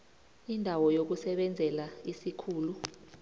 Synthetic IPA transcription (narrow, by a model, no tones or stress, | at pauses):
indʱawɔjok̬usɛɓɛnd͡zʱɛlaisikʰuːlu